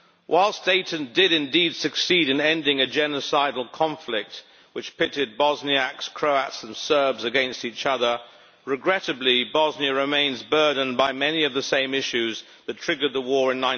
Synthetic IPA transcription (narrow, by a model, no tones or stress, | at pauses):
wʔaɪlˠsd̥eɪʔɨ̃n̩d̥ɪɾɨ̃ndid̥sɨksiɾɨ̃nɛ̃ndɪ̃ŋɨd͡ʒɛnəsaɪdl̩ˠkʰɑ̃ɱflɪk̚t̚ | wɨt͡ʃpʰɪɾɪd̚bɑzniækskʰɹ̥oʊætsnsɜ˞bzɨɡɛ̃nstit͡ʃʌðə˞ | ɹɨɡɹɛɾɨblibɑzniɨɹɨmẽɪ̃nzbɜ˞dⁿn̩baɪmɛniʌvðɨsẽɪ̃mɪʃʉz | ðɨtʰɹ̥ɪɡə˞d̪̚ðəwɔɹɨ̃nːãɪ̃